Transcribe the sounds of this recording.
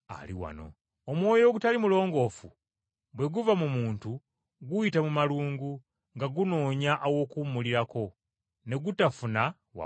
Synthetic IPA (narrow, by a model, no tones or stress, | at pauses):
a̰lḭwa̰no̞̰ | omwo̞ːjo̞ːɡutalimulo̞ːŋɡo̞fu | bwe̞ɡuvamumuːntu | ɡuitamumaluːŋɡu | ŋɡaɡuno̞ːɲaʔːwo̞kumuliɾako̞ | ne̞ɡutafuna | wa̰